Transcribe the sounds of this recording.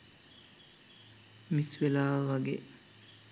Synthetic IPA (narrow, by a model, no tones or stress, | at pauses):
misʋelaːʋʋaɡḛ